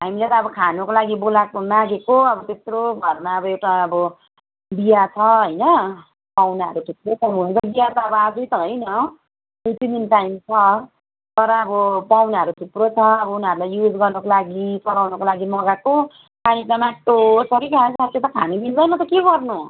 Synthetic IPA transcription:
ɦamilet̪ʌːbʌkʰanokolaɡibolakonaɡekoʌbʌt̪esroɡʱʌrmaʌbʌewʈaːbʌ | bijat͡sʰʌɦʌjnʌ | pawnaɦʌ̰ɾut̪ʰup̚rot͡sʰʌmut͡sʌbijat̪ʌːbʌad͡zʌjt̪ʌɦʌjnʌ | ut̪id̪inʈajmt͡sʰʌ | t̪ʌɾʌːbʌpawnaɦʌɾuʈ̪ʰuprot͡sʰʌːbʌunaɾulajjud͡zɡʌrnʌkolaɡipʌɾawnʌkolaɡimʌɡako | kʰanit̪amaʈːosʌɾikʰanssat̪ʰjet̪ʌkʰanibild̪ʌjnʌt̪ʌkeɡʌrnu

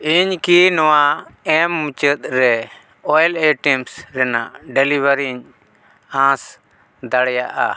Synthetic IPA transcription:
iɲkinɔwaɛmːũt͡ʃət̪̚ɾɛ | ɔjleʈimsɾɛna̰ʔɖɛlibəɾiɲ | ãs | d̪aɽɛjaʔa̰

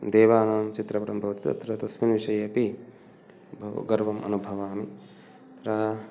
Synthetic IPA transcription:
d̪eːʋaːnaːmt͡ʃit̪ɾɐpɐɾɐmbʱɐʋɐt̪it̪ɐ̰t̪ɾɐt̪ɐsminʋiʂɐjɐpi | bʱɐɡɐɾʋɐmʔɐ̰nubʱɐʋaːmi | t̪ɾɐ

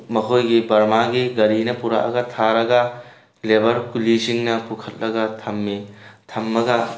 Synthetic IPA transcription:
mɐkʰojɡibɐɾmaɡiɡɐɾinɐpuɾa̰ʔɐ̰ɡɐtʰaɾɐɡɐ | lebɐɾkulisiŋnɐpukʰɐt̚lɐɡɐtʰɐmːitʰɐmːɐɡɐ

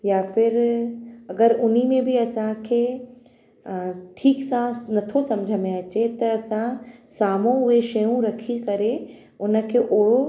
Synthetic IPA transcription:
jaːfɪɾ | ɐɡəɾʊnimẽbʱiɐsãkʰe | ʈʰiːksãnɐt̪ʰosɐ̃md͡ʒʱəmẽɐt͡ʃet̪ɐɐsãsaːmõʊeʃeũɾɐkʰikɐɾe | ʊnkʰeʔoːo

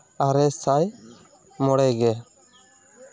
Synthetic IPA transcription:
aɾɛsaj | mɔɽɛɡɛ

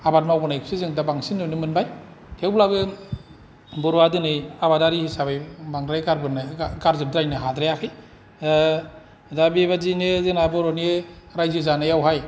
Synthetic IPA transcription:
abat̚mawbɯnaik̚sizɯŋdabaŋsinːɯnɯmɯnbaj | tʰewblabɯ | bɯɾwadɯnɯabadaɾihisabajbaŋɾajɡaɾbɯnɯɡaɾzɯb̚dɾajnɯɦadɾajakʰɯj | dabiβazinezɯnabɔɾɔneɾajzɯzanajawɦaj

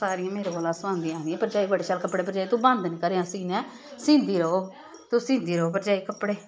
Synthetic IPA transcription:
saːɾĩːãːmeːɾeboːlaːsãːnd̪ĩjãːd̪iɛ̃ːpəɾd͡ʒaːiːbəɽeːʃalkəpɽeːp̬əɾd͡ʒaːiːt̪ũbə̃nd̪nĩːkəɾeːãːsiːnɛ̃ː | sĩːnd̪iːɾəɦoː | t̪ʊsĩːnd̪iːɾəɦoːp̬əɾd͡ʒaːiːkəpɽeː

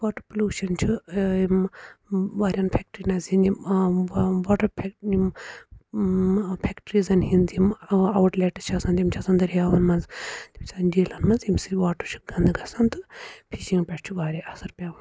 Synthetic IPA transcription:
ʋoːʈɐɾpulʲuːʃɐnt͡ʃʰuim | ʋaːɾʲɐnpʰɛk̚ʈɾinɐzhind̪im | ʋaːʈɐɾpʰim | pʰɛkʈɾiːzɐnɦind̪imɐwʈleʈɨt͡ʃʰɐsɐnt̪jimt͡ʃʰɐsɐnd̪ɐɾijaːʋɐnmɐnzt̪imsɐnd͡ʒiːlɐnmɐnzimsiɾʲʋaːʈɐt͡ʃʰu̥ɡɐnd̪ɨɡɐsɐnt̪ɨpʰiʃiŋɡpʲɐʈt͡ʃʰuʋaːɾʲiʔɐsɐɾpʲaːʋɐn

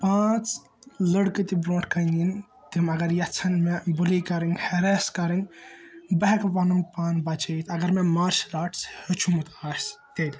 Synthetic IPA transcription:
pãːt͡s | ləɽkɨt̪ibɾõːɳʈʰkɐnin | t̪imɐɡɐɾjɐt͡sʰɐnmebulikɐɾinhɐɾeːskɐɾɨnʲ | bɐɦɛkpɐnɐmpaːnbɐt͡ʃʰɐit̪ɐɡɐɾmemaːɾʃlaːʈshət͡ʃʰumut̪aːst̪elʲ

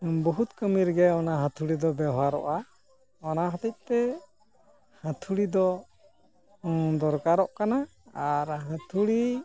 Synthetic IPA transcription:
bɔɦut̪kəmiɾɡɛɔnaɦãt̪ʰuɽid̪ɔbɛɦaɾɔ̰ʔa | ɔnaɦɔt̪ɛc̚t̪ɛ | hãt̪ʰuɽid̪ɔ | d̪ɔɾkaɾɔʔkana | aɾɦãt̪ʰuɽi

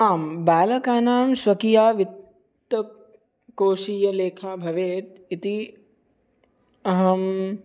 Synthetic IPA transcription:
aːmbaːlɐkaːnaːmsʋɐkijaːʋit̪ː | ɐ | koːʃiːjɐleːkʰaːbʱɐʋeːt̪it̪i | ɐɦɐm

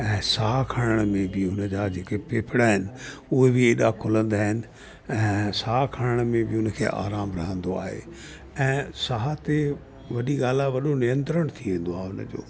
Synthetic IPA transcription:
ɛ̃ːsaɦakʰaːɽ̃əɽ̃mẽbɪɦʊnəd͡ʑad͡ʑeːkepeːpʰɪɽaɦɪnɪ̆ʊɦebɪeːɗakʰʊlə̃nd̪aːɦɪnɪ̆ | ɛ̃ːsaːkʰaːɽ̃əɽ̃mẽbɪʊnə̆kʰḛːʔa̰ːɾaːmɾɐɦə̃nd̪oa̰ːɦḛː | ɛ̃ːsaɦat̪e | ʋɐɗiɠaːl̤aʋɐɗonɪjə̃nt̪ɾəɽ̃t̪ʰiẽːn̆d̪oaːʊnə̰d͡ʑo̰ː

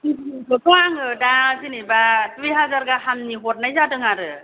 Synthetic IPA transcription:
ɯkʰɯpʰɔaŋɯdazinibat̪ʰwiɦazaɾɡaɦamniɦot̚najzadɯŋaɾɯ

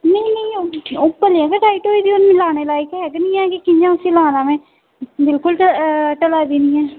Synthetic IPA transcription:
nəinə̃ioʊːpːəlːɛ̃ːkeʈaːɪʈoːiːd̪iːonmlaːneːlaːekɦɛːɡnĩːɛ̃ːkikɪ̃nd͡ʒãːʊsĩːlaːnãːmẽː | bɪlkʊləʈəlaːd̪iːnĩːɛː

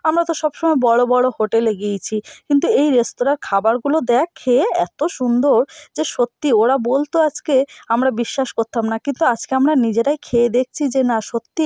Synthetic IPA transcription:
amɾat̪oʃɔbʃɔmɔebɔɽobɔɽohoʈeleɡijt͡ɕʰikint̪uejɾest̪oɾaɾkʰabaɾɡulod̪ɛakʰeeɛt̪oʃund̪oɾd͡ʑeʃot̪ːioɾabolt̪oad͡ʑkeamɾabiʃːaʃkoɾt̪amnakint̪uad͡ʑkeamɾanid͡ʑeɾajkʰeed̪ek̚ʰt͡ɕʰid͡ʑenaʃot̪ːi

